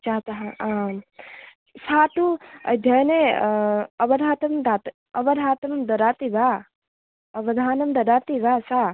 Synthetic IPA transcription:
t͡ʃaːt̪aɦã | saːt̪ũɐ̰jd̪ʱjɐne | ɐbɐd̪ʱaːt̪ɐmmd̪at̪ | ɐbɐɾʱaːt̪mɐmd̪ɐɾaːt̪iba | ɐbɐd̪ʱaːnɐmd̪ɐɾaːt̪ibasa

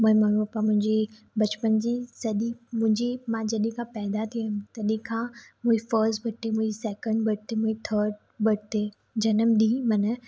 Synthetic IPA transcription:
mũɦĩmɐɽupamʊ̃ɦɪ̃ɲd͡ʑi | bɐt͡ɕpənd͡ʑiːsɐɗimʊ̃ɦɪ̃ɲd͡ʑimãd͡ʑɐɗĩkʰãpɛːd̪at̪ʰimt̪ɐɗĩkʰãːmũːifəɾsʈbʱɐʈt̪ːemũːd͡ʑisɛːkə̃ɳɖbʱɐʈt̪emũːit̪ʰəːɾɖ | bɐʈt̪e | d͡ʑɐnəmɗĩːmɐnə

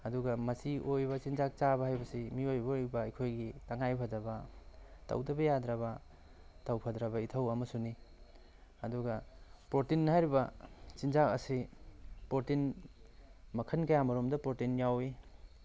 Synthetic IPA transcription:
ɐduɡɐmɐsiʔojbɐt͡ʃinzak̚t͡ʃabɐhajbɐsimiojbɐjbɐːjkʰojɡitɐŋajpʰɐdɐbɐtɐ̰wdɐbɐjadɾaβɐ | tawpʰɐdɾɐbɐitʰɐwɐmɐsuni | ɐduɡɐpɾotinːɐhajɾibɐt͡ʃinzakɐ̰sipɾotin | mɐkʰɐnkɐjamɐɾomdɐpɾotinjawi

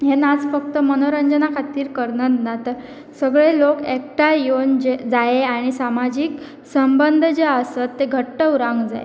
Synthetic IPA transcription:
ɦenad͡zfək̚t̪əmənoɾəɲd͡ʑənakʰat̪iːɾkəɾnət̪nat̪əɾ | səɡɭelokekʈajond͡ʑed͡zaeaɽ̃isamad͡ʑiːk | səmbənd̪ʱd͡ʑeəsət̪ːeɡʱəʈːəuɾãŋɡd͡za̰ḛ

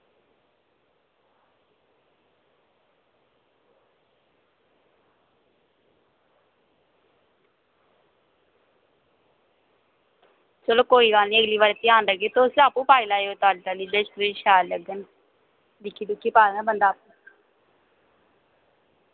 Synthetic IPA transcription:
t͡ʃəloːkoːiːɡaːlnĩːəɡliːʋaːɾet̪ɪaːnləɡeːt̪oʊsaːpːũːpaːilaːeoːt̪aːɖiʈaːliːd̪esɾeʃaːləɡən | dikiːd̪ʊkːiːpaːnabənd̪aːpũː

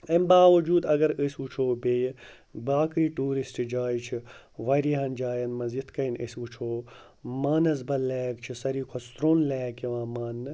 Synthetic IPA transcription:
ɐmbaːʋɐd͡ʒuːd̪ɐɡɐɾəsut͡ʃʰoːbeːj | baːkɾiːʈuːɾisʈd͡ʒaːjit͡ʃʰiʋɐɾiːɦɐnd͡ʒaːjɐnmɐzit̪kɐinə̰sut͡ʃʰoː | maːnɐzbɐlɛːkt͡ʃʰisɐɾiːkʰost̪ɾoːnlɛːkiʋãːmaːnː

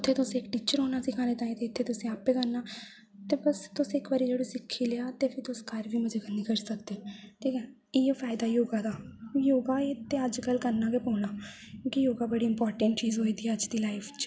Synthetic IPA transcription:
ʊt̪ʰːeːt̪ʊsẽːɪkʈiːt͡ʃəɾɦoːnaːsɪkʰaːneːt̪aːĩːt̪eɪt̪ʰːeːt̪ʊsẽːaːpeːkəɾnaː | t̪eːbəst̪ʊsẽːɪkbəːɾiːd͡ʒeːɽosɪkʰːiːleaːt̪epʰɪɾt̪ʊskəɾʋiːmʊd͡ʒʱeːkənːiːkəɾsəkd̪eːt̪ʰiːkɛ̃ | eːpʰaːɪd̪aːjoːɡaːd̪aːjoːɡaːet̪eəd͡ʒkəlkəɾnaːkepõːnaː | kõːkijoːɡaːbəɽiːɪmpɔːɾʈəɳʈt͡ʃiːzɦoːiːd̪iːɛəd͡ʒd̪iːlaːɪpʰt͡ʃ

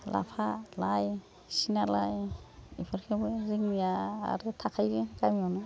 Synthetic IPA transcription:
la̰pʰalaj | sinalajḭpʰɯɾkʰebjɾiŋnija̰ːɾɯtʰakʰajɾeɡamiɔnɯ

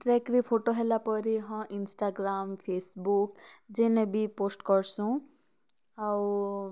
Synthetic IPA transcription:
ʈɾɛkɾipʰoʈoɦɛlapɔɾiɦɔ̃ʔinsʈaɡɾampʰesbukzɛnebiposʈkɔɹsũ | aw

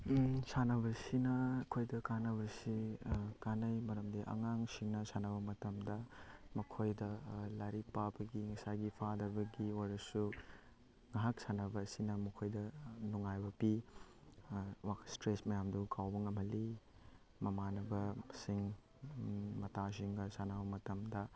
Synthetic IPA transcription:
sanɐbɐsinɐɐkʰojdɐkanɐβɐsikanɐjmɐɾɐmdiʔɐ̰ŋaŋsiŋnɐsanɐbɐmɐtɐmdɐmɐkʰojdɐlaɾipabɐɡiŋɐsaɡipʰadɐɾbɐɡiwaɾɐsu | ŋaɦak̚sanɐbɐːsinɐmɐkʰojdɐnuŋajbɐpi | wastɾesmɐjamdukʰawbɐŋɐmhɐli | mɐmanɐbɐsiŋ | mɐtas̬iŋnɐsanɐbɐmɐtɐmdɐ

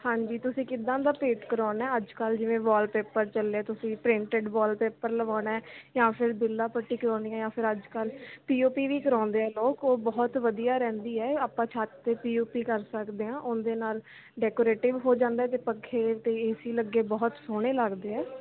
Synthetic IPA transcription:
hãːɲd͡ʒiːt̪ʊsĩːkɪd̪ãːd̪aːpeːʈkəɾaːɳɛːəd͡ʒkəld͡ʒɪʋẽːbɔːlpeːpəɾt͡ʃəlːeɛːt̪ʊsĩːpɾɪ̃ɳʈeɖbɔːlpeːpəɾləʋaːnɛːjãːpʰɪɾbɪlːaːpəʈːiːkəɾãːniːãːjãːpʰɪɾəd͡ʒkəlpiːoːpiːʋiːkəɾɔ̃ːnd̪eːɦɛːloːkoːbɔːt̪ʋəd̪ijaːɾɛ̃ːnd̪iːɛːaːpːãːt͡ʃʰaːt̪ːeːpiːoːpiːkəɾsəkd̪eːãːʔʊnd̪eːnaːl | ɖɛːkoːɾeːʈɪʋɦoːd͡ʒãːnd̪aɛːt̪eːpəkʰːeːt̪eːɪsiːləɡːeːbɔːt̪soːɽ̃eːləɡd̪eːɛː

